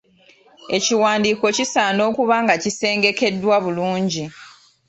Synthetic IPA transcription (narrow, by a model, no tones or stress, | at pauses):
e̞ciwaːndiːko̞cisaːno̞ːkuβaːŋɡacise̞ːŋɡe̞ke̞dːwaβuluːɲɟi